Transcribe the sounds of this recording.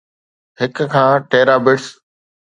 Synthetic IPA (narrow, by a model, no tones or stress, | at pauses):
ɦɪkkʰãːʈeːɾaːbɪʈs